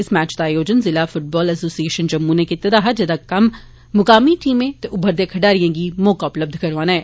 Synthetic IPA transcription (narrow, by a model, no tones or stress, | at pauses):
ɪsmɛːt͡ʃd̪aːjoːd͡ʒənzɪlaːfʰʊʈ̚bɔːləsoːsieːʃənd͡ʒəmːunẽːkɪt̪ed̪aːɦad͡ʒed̪aːkɐmː | ʊkaːmiːʈiːmẽːt̪eːʔʊbʱəɾd̪eːkʰəɖaːɾɪjãːɡiːmɔːkaːʊpləb̚d̪ʱkəɾʋaːnaɛː